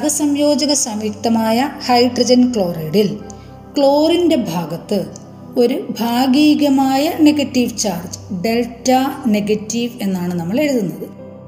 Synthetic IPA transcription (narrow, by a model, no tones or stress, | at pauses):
ɐɡɐsɐmjo̞ːd͡ʑɐɣɐsɐmik̚t̪ɐmaːjɐhɐjɖrɐd͡ʑɐnkɭo̞ːreːɽil | kɭo̞ːrinde̞bʱaːɡɐt̪ːɨ | o̞ɾubʱaːɡiːɡɐmaːjɐne̞ɡɐtːiʋt͡ɕaːrd͡ʑɨ̥ɖe̞ltːɐneɡɐtːiʋe̞nːaːɳɨnɐmːɐɭe̞ɻuðunːɐðɨ